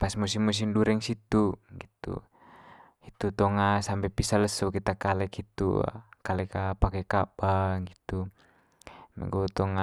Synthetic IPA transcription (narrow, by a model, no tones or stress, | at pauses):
pasmusimːus̬imduɾɛŋsit̪uɡit̪ṵ | it̪ut̪ɔŋasampɛpisaləsɔkit̪akalɛkit̪ṵkalɛkapakɛkabaŋɡit̪u | mɛ̰ɡɔt̪ɔŋa